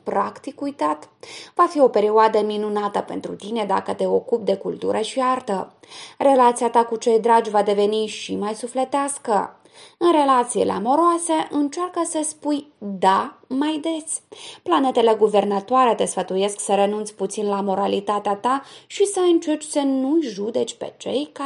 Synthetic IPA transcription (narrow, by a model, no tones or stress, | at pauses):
pɾakt̪ikujt̪at̪vafio̞pe̞ɾioad̪əminunat̪əpe̞̰nt̪ɾṵt̪ine̞d̪a̰kət̪e̞o̞kup̚d̪e̞kult̪uɾʔəʃiart̪ə | re̞lat̪sijat̪akut͡ʃe̞jd̪ɾad͡ʒʲvad̪e̞ve̞niʃimajsufle̞t̪easkə̰ | ɨnre̞lat̪sielḛa̰mo̞ɾoase̞ʔɨnt͡ʃarkəsəspujd̪amajd̪e̞sʲplane̞t̪e̞le̞ɡuve̞rnat̪oaɾe̞t̪e̞sfət̪uje̞sksəɾe̞nunt̪sʲput̪sinlamo̞ɾalit̪at̪eat̪aʃisəɨnt͡ʃe̞rt͡ʃʲsənujʒud̪e̞t͡ʃʲpe̞̰t͡ʃe̞jka